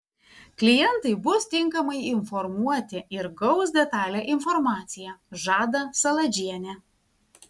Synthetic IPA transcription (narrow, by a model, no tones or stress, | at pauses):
klʲɪjɛnt̪ɐɪbʊst̪ʲɪŋkɐmɐɪɪnfɔɾmuɔt̪ʲɪɪɾɡɐʊs̬d̪ʲɛt̪ɑːlʲɛʔɪnfɔɾmɑːt̪sʲɪjɛʒɑːd̪ɐsɐlˠɐd͡ʒʲiɛnʲɛ